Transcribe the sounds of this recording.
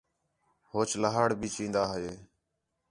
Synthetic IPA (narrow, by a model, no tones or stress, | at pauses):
hoːt͡ʃləɦaːɽbʱiːt͡ʃĩːnd̪aːɦəeː